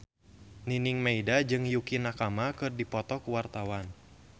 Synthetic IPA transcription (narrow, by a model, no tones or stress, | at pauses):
niniŋmaidad͡ʒɨŋjukinakamakɨrdipɔt̪ɔkuwart̪awan